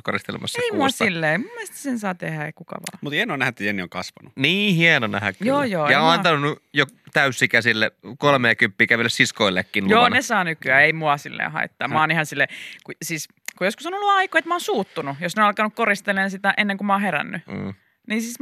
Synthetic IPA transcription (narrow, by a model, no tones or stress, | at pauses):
korist̪elḛmɑ̰sːɑeimuɑssilːeːmumːest̪æ̥sensɑːt̪ehæḛkukɑ̰ʋɑ̰ːmut̪hienoːnæhæet̪ːjenːio̰ŋkɑsʋɑnuniːhienonæhækkjoːjoːjɑoɑnt̪ɑnunːujot̪æysːikæsilːekolmeːkympːiːkæʋilːessiskoilːekːinloːnnesɑːnykyæːeimuɑsilːḛːhɑ̰it̪ːɑːmɑːnihɑnsilːekusiːs | kujoskusonolːuɑikoet̪mɑoːnsuːt̪ːunujosnenɑlkɑnukkorist̪eleːnsit̪æʔenːeŋkumɑːheræ̰nːy | niːnsiːs